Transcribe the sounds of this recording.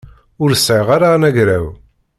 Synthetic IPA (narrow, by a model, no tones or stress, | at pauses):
ʊɾsʕiʁaɾanæʝɾæw